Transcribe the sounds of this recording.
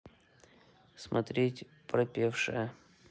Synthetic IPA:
smʔɐ̰t̪ɾʲetʲ | pɾɐpʲefʂɨjə

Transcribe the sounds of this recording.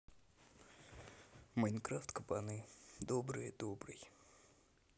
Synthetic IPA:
mɐjnkɾaft̪kəpanɨd̪obɾɨjəd̪obɾɨ̰j

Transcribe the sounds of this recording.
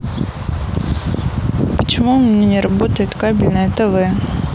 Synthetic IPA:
pə̥t͡ɕɪmumʲɪnʲenʲɪɾɐbot̪əjɪt̪kabʲɪlʲnəɛt̪əvɨ

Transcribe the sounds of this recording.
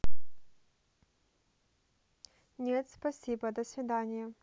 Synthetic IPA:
nʲet̪spɐsʲibəd̪əsvʲɪd̪anʲɪjə

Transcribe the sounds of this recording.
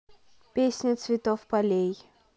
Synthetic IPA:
pʲesʲnʲɪt̪svʲit̪ɔfpalʲej

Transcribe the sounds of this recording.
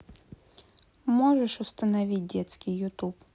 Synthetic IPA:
moʐɨʂʊst̪ənɐvʲit̚ʲdʲet̪skʲɪjjʊt̪up

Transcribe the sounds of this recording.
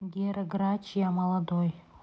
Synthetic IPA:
ɡʲeɾɡɾɑt͡ɕijɑmɑlˠɑd̪oj

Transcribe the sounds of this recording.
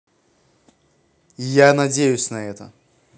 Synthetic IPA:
janɐdʲejʊsʲnɐɛt̪ə

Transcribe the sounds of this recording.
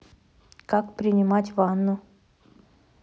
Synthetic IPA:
kakpɾʲɪnʲɪmatʲvanːʊ

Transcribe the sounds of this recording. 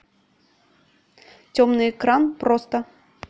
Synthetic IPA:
t͡sʲɔmnɨɛkɾanpɾɔst̪ɐ

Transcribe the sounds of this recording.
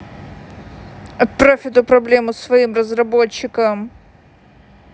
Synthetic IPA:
ɐpɾofʲɪt̪ʊpɾɐblʲemʊsvɐimrəzrɐbot͡ɕːɪkəm

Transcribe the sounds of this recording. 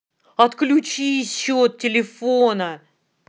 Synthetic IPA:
ɐt̪klʲʊt͡ɕisʲɕːot̪̚tʲɪlʲɪfonə

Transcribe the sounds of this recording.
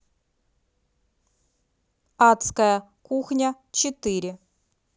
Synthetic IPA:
at̪skɐjɐ | kuxnʲɐ | t͡ɕɪt̪ɨɾʲɪ

